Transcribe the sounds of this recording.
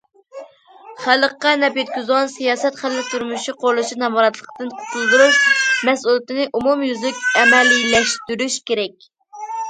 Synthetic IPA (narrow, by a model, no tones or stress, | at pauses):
χælˠəqːɑnɛpjet̪̚kʲyzʁɑnsijɑːsɛt̪χællːɪk̚ʲt̪ʰuɾmuʃiqʰoɾlˠuʃinɛmɑɾɑt̪lˠəqt̪ɨnqʰtʰʊzˠd̪uɾuʃmɛsulˠɪt̪ɪnɪʔumumjyzlykʲɛmɛlːijlɛʃt̪yɾyʃkʲeɾɛk̚ʲ